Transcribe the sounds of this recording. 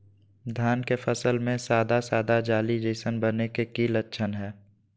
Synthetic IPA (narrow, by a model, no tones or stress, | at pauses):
d̪ʱjaːnkefəsəlmẽsaːd̪asaːd̪ad͡ʒaːlid͡ʒəɪsənbənekekiːlətːʃʰənɦɛː